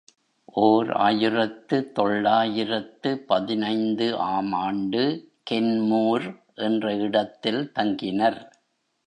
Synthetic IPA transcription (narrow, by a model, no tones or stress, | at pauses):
ʔoːɾa̰ːjɪɾɐt̪ːɯt̪ɔɭːaːjɪrɐt̪ːɯpɐðɪnɐɪnd̪ɯʔaːmaːɳɖɯ | kɛnmuːɾ | ʔɛndrɐɪɽɐt̪ːɪlt̪ɐŋɡɪnɐɾ